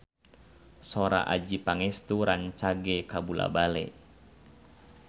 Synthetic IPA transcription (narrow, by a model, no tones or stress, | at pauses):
sɔɾa̰ʔad͡ʒipaŋɛst̪uɾaɲt͡ʃaɡɛkabula̰balɛ̰